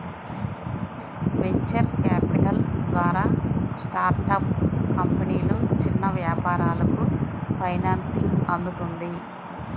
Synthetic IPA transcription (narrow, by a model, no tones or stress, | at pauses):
ʋe̞ɲt͡ʃɐɾkaːpiʈɐld̪ʋaːɾaːsʈaːɾʈɐp̚kɐmpɐniːlut͡ʃinːɐʋjaːpaːɾaːlɐkupʰɐjnaːnsiɐnd̪ut̪und̪i